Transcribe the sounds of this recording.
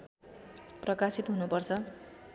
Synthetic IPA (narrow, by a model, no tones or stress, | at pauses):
prʌkasit̪ɦunupʌrt͡sʰʌ